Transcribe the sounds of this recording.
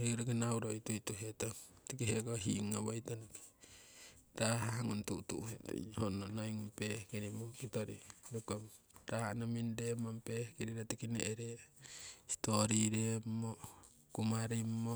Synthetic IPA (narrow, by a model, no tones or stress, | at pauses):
heuɾekinawɾojtujtuɦetotikiɦeɡoɦiŋaβajtanoki̥ | taɦaɦaŋuntutuhethononajŋumpehkiɾimokitoɾḭdukom | ɾaanamindemampehkiɾiɾatikinḛʔɾe | istoɾiɾemːo | kumaɾio